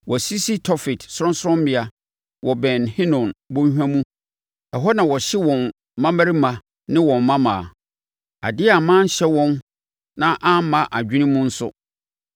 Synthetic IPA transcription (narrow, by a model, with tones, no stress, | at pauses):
wʔɔ˨si˦si˦tʰɔ˦fɪ˨tsɾʊ̃˦nsʊ˦ɔ̃˦m˦bɪ˨a˨ | wʔɔ˨bɛ̃˨nhɪ̃˦nɔ̃˨nbʊ̃˦ɲ˦hᶣã˦mũ˦ | ɛ˨ɦɔ˦nã˨wɔ˨ɕɪ˦wɔ̃˨n | mã˦ma˦ɾi˦mã˨ | nɪ̃˦wɔ̃˨mːã˦mã˨ | a̰˨dɪ˦a˨mã˦n̩˦ɕɛ˦wɔ̃˦n | nã˦ʔã˦m˦mã˦ʔa˨d͡ʑᶣi˦nĩ˦mũ˦n̩˦sʊ̰˦